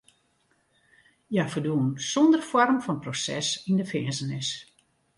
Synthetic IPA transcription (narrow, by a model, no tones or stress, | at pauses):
jafəduənsɔndərfɔrmfɔnprosɛ̰sindəfɪəzənɪs